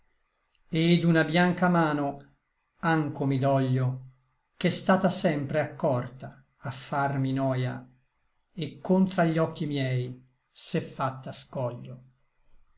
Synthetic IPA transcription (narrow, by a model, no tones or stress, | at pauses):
ed̪unabjaŋkamaːno | aŋkomid̪ɔʎːo | k̟ɛst̪aːt̪asɛmpɾeakːɔrt̪aː | fːarminɔːja̰ | ekːont̪ɾaʎːɔkːimjɛj | sɛfːat̪ːaskɔʎːo